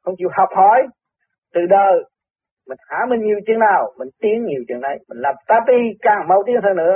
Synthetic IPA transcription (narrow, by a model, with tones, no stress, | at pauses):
xə˧wŋ͡mt͡ɕi˧əwhɔ˨˩wk͡p̚hɔ˧˦j | t̪ɨ˨˩ɗəː˨˩ | mï˨˩ŋ̟xaː˧˦mï˨˩ŋ̟ɲi˨˩əwt͡ɕi˧˩əŋnaː˨˩wmï˨˩ŋ̟t̪i˨˦əŋɲi˨˩əwt͡ɕɨ̰˨˧˩əŋʔə˧˦jmï˨˩ŋ̟laː˨˩mt̪aː˧˥t̪i˧kaː˨˩ŋmə˧˩wt̪i˧˦˥əŋt̪ʰəː˧nɨ̰˧˥ə